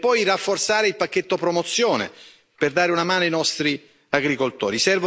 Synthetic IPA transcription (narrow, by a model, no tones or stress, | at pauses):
pːɔjrafːort̪saːɾeilpak̟ːet̪ːopɾomot̪sːjoːnḛ | perd̪aːɾeunamaːnoajnɔst̪ɾi | aɡɾikolt̪o̰ːɾisɛrvo